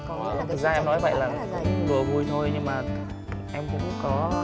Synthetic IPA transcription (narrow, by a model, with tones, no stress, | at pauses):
t̪ʰɨ˨˩k̚zaː˧ʔɛ˧mnɔ˧˥jvə̰˧˨jlaː˨˩˨ɗu˨˩əvu˨˩jt̪ʰo˧jɲɨ˧ŋmaː˨˩ | ʔɛ˧mkʊ̰˧˥ŋ͡mkɔ˨˦